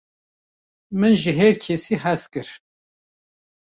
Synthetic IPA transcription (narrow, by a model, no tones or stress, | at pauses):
mɨnʒiɦɛɾkʰesiɦɛskɨɾ